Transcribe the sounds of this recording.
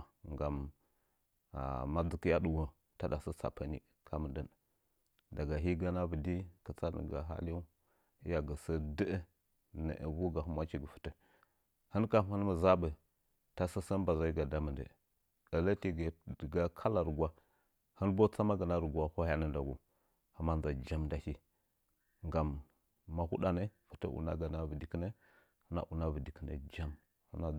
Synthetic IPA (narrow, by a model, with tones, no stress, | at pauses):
ŋɡa˨m | a̰˨ma˦d͡zə˨ki˦ja˦ɗu˨wo˦ | ta˦da˨sə˦sa̰˨pə˦nḭ˨ | kʰa˦mə˨də˦n | da˨ɡa˨ɦi˦ɡa˦na˦və˨di˦kə˨t͡sa˦də̰˨ɡa̰˨ɦa̰˦lja˦ | i˦ja˨ɡə˨sə˦də˦ə˦ | nə̰˨ʔə̰˨vu˦ɡa˨ɦu˦mwa˦t͡ʃi˨ɡə˨fə̥˨tə˨ | hə˦nka˨mə˦n˦mə˨za˦bə˨ | ta˦sə˦sə˦n˦ba˨za˨i˦ɡa˨da˦mə˨ndə̰˨ | da˨lə˦ti˦ɡə˨də˨ɡa˦kʰa˦la˨ɾə˨ɡwa˦ | hə˦nbo˦t͡sa˦ma˦ɡə˨na˦ɾə˨ɡa˦ho˦a˦nə˦nda˨ɡu˨ | ha˨ma˦n˦za˨d͡ʒa˦mda˦hi˦ | ŋɡa˨mː | a˨hu˦ɗa˨nə˦fə˨tə̰˦ʔṵ˨na̰˦ɡa˨na˦və˨di˨kə˦nə˦ | hə˦na̰˦ʔu˨na˦və˨di˨kə˦nə̰˨d͡ʒa˦m | hə˦na˦˨